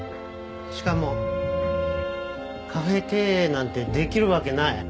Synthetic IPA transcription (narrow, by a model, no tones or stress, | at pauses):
ɕi̥kamo̞ | kʰaɸe̞ke̞ːnãnt̪e̞d̪e̞kʲiɾɯ̟βake̞nai